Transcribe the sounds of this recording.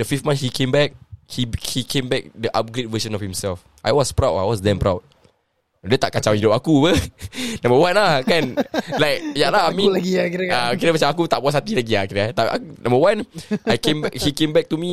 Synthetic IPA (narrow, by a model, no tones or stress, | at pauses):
dəfiftmãnshikʰẽmbɛk̚hihikẽmbɛk̚dəʔap̚ɡɾed̚vəʃə̃nɔfhĩmsɛlf | ʔajwɔspɹawta̰jwɔsdɛ̃mpɾa̰wd̚ | dɛt̪aʔkat͡ʃawidɔʔakubənãmbəwãnlahkanlajk̚jalahamĩiaakiɾəmat͡ʃamakut̪aʔbuashat̪ilaɡiakiɾəat̪apa̰knãmbəwãnʔajkẽmhikẽmbɛk̚t̪umi